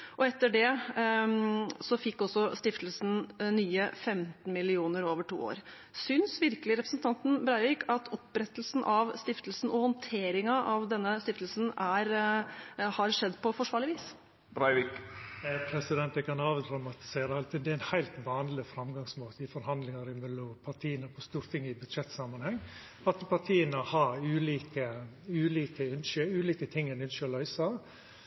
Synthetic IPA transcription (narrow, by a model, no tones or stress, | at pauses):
ʔɔɛt̪ːəɖɛ | sɔfɪkːɔsːɔst̪ɪft̪lsn̩nyːəfɛmt̪n̩mɪlɪuːnəɾoːʋəʈʰṵːo̰ːɾ | sʏnsʋɪɾkəlɪɾɛpɾəsn̩t̪ʰɑnt̪n̩bɾɑɪʋɪːkʰɑt̪ʰɔpːɾɛt̪əl̩sn̩ʔɑʋst̪ɪft̪əlsn̩ɔhɔnt̪ʰeːɾɪŋɑʔɑʋd̪ɛnːəst̪ɪft̪əlsn̩æɾ | hɑɾʂɛd̪ːpɔfɔʂʋɑːɭɪʋiːs | bɾɑɪʋikpʰɾɛsɪd̪ɛnt̪ɛkɑnɑːʋd̪ɾɑmɑt̪ɪ̥seːɾəɑlt̪ʰɪd̪ɛæɪnhæɪlt̪ʋɑːnlɪfɾɑmɡɑŋsmoːt̪əɪfɔɾhɑnd̪lɪŋɑɾɪmɛlːɔmpʰɑʈʰiːənəpʰɔst̪uːɾt̪ʰɪŋːɪbʉd̪ʂɛt̪ːsɑmɑnhɛŋː | pɑt̪ːəpɑt̪ʰiːənəhɑɾʉːliːkə | ʉːliːkəʉnʃøːʉːliːkət̪ʰɪŋːɛnʉnʃøɔlœʏsɑʋ